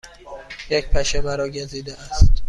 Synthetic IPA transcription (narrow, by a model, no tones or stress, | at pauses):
jecpʰæʃebæɾɒːɟeziːd̪eæst̪